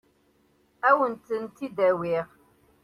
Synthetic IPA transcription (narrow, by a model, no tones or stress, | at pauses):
æwənt̪ənt̪id̪æwiʁ